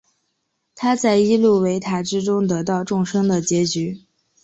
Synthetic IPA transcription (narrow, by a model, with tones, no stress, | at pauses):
t̪ʰa˥t͡sa˥˩ɪi˥lu˥˩we˧˥ɪt̪ʰa˧˥ʈ͡ʂɻ̩˥ʈ͡ʂʊ˥ŋt̪ɤ˧˥t̪ɑ˥˧ʊʈ͡ʂʊ˥˩ŋʂɤ˥ŋd̪ə˨t͡ɕjɛ˧˥t͡ɕy˧˥